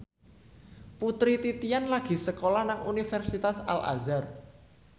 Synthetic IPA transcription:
put̪ɾit̪it̪ijanlaɡ̥i̤səkolɔhnaŋunifɛrsit̪asa̰lʔa̰zar

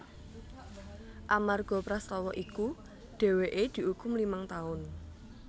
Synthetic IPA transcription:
ʔamarɡ̥ɔ̤pɾaslɔwɔʔiku | ɖ̥e̤weʔed̪̥i̤ʔukʊmlimaŋt̪aʊn

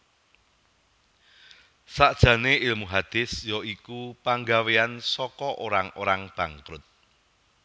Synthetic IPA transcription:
saʔd̥ʒ̥ä̤neʔɪlmuɦad̪̥ɪsjɔikupaŋɡaweansɔkɔʔoɾaŋoɾaŋb̥a̤ŋkɾʊt̪̚

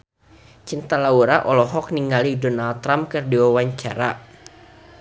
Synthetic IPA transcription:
t͡ʃint̪alauɾaʔɔlɔɦɔk̚niŋɡalidɔnalt̪ːɾamkɨrdiwawaɲt͡ʃaɾa̰

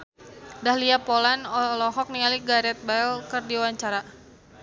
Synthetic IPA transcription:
dahliapolanɔlɔɦɔk̚niŋaliɡaɾɛt̪̚baɛlkɨrdiwaɲt͡ʃaɾa

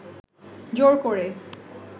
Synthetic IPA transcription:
d͡ʑoɾkoɹe

